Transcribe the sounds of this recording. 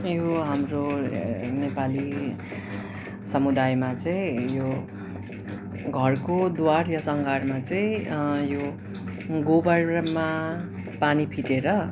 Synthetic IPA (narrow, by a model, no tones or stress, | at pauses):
joɦamro | nepali | sʌmud̪ajmat͡sʌĩjo | ɡʱʌrkod̪warjʌsʌŋɡʱarmat͡sʌĩjo | ɡobʌrma | panipʰiʈeɾʌ